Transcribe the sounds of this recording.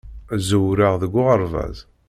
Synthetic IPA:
zəwɾaʁðəɡʷːʊʁəɾˤvæ̰z

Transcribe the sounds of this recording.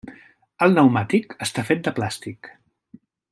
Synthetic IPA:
əlˠnəwmat̪ikəst̪afet̪̚d̪əplast̪ik

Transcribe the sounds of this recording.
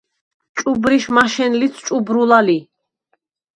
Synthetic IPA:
t͡ʃʼubɾiʃmaʃɛnlit̪ʰt͡ʃʼubɾulali

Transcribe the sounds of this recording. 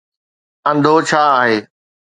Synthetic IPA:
ɐ̃nd̪ʱot͡ɕʰaːaːɦeː

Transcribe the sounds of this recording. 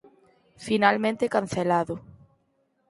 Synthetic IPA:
finalmẽnt̪ekanθelaðʊ

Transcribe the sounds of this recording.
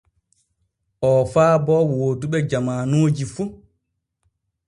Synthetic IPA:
ʔɔfaːbɔːwoːtuɓɛd͡ʒamaːnoːd͡ʒifu

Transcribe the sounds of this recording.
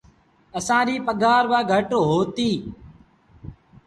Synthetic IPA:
əsãːɾiːpəɠaːɾʋaːɡʱəʈɦoːt̪iː

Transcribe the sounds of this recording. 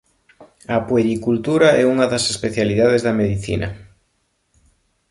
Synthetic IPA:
ɐpweɾikult̪uɾaɛuŋɐðɐsespeθjaliðaðezðɐmeðiθḭnɐ̰

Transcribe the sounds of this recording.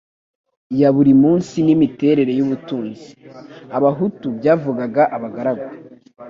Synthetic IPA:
jaβuɾimuːnsinimite̞ɾe̞ɾe̞juβutuːnziaβaɦutubɟaːvuɡaɡaʔaβaɡaɾaɡu

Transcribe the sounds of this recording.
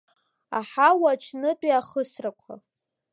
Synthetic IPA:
a̰ħawat͡ʃʰnɨtʼiaχəsrakʷʰa̰

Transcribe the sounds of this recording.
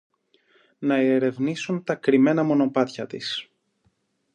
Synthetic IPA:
nɐeeɾe̞vnisunt̪ɐkɾime̞nɐmo̞no̞pɐt̪çɐt̪is

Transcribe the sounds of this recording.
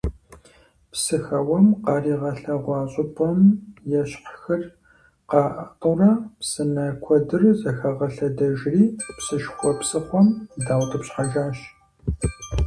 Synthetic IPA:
psɨxɐwɐmqɑːriːʁɐɬɐʁʷɑːɕʼɨpʰʼɐmjɛɕqxɐr | qɑːʔɐqʊrɐpsɨnɐkʷʰɔdɨrzɐxɐʁɐɬɐdɐʒriːpsɨʃkʷʼɔpsʼɨχʷɔmdaːwtʰɨpɕħaʒaːɕ

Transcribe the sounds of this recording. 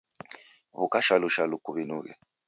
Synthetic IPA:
βukʼaʃaluʃalukʰʼuβinuːkɛ̰

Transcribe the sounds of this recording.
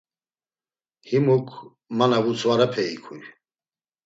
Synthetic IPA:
himukʰ | manavut͡sʰwaɾapʰɛikʰun

